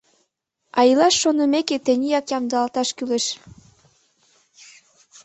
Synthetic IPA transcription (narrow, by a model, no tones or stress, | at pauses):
ɑjilɑʃːonəmeket̪enʲijɑkjɑmd̪ɤɑlt̪ɑʃkyleʃ